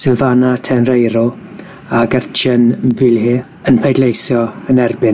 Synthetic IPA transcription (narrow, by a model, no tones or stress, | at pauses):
sɪlˠvanatʰɛnrejɾʊ | aɡərt͡ʃʰənvɪlˠɦiː | ənpʰejdlejsjɔənɛrbɪn